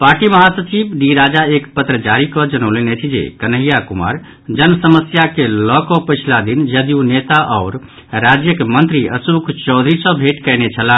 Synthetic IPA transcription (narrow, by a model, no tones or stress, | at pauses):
paɾʈiməɦasət͡ʃibɖiɾad͡ʒaekpət̪ɾəd͡ʒaɾikɔd͡ʒənəʊlenet͡ʃʰid͡ʒḛkənəɦijakuma̰ɾ | d͡ʒənəsəməsjakelɔkɔpəjt͡ʃʰlad̪ind͡ʒəd̪iunet̪aʔɔːɾ | ɾad͡ʒjəkemənt̪ɾiʔə̰sukʰt͡ʃɔʊd̪ʱɾisə̃bʱeʈkəjnet͡ʃʰəla